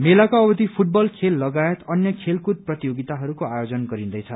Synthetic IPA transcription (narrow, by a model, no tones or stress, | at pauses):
melakaʌbʌt̪ipʰuʈ̚bʌlkʰelːʌɡajet̪ʌnjʌkʰelkud̪̚prʌt̪ijoɡit̪aɦʌɾukoajod͡zʌnɡʌɾind̪ʌjt͡sʰʌ